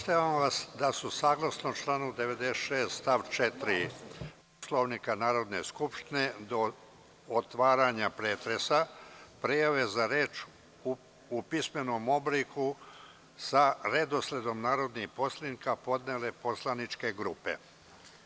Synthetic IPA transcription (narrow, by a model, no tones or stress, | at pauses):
post̪aʋamʋasd̪asusaːɡlˠasnot͡ʃlˠaːnud̪e̞ʋed̪esʃeːst̪st̪aʋt͡ʃet̪ɾi | poslˠoʋnikanaːɾo̞d̪ne̞̰skupʃt̪ined̪o̞ | ot̪ʋaːɾaɲapɾeːt̪ɾe̞sapɾijaʋe̞zaɾe̞ːt͡ʃ | upisme̞no̞ːmo̞bliku | saɾed̪osle̞d̪o̞mnaːɾo̞d̪nixpo̞slˠinikapo̞d̪nele̞po̞slˠanit͡ʃke̞ɡɾupḛ